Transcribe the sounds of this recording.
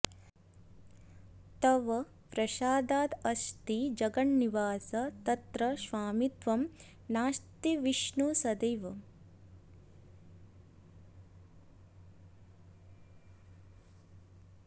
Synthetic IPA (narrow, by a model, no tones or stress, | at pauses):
t̪ɐʋɐ | pɾɐʃaːd̪aːd̪ɐʃt̪id͡ʒɐɡɐɳːiʋaːsɐt̪ɐt̪ɾɐʃʋaːmit̪ʋɐm | naːʃt̪iʋiʃɳusɐd̪ɐjʋɐ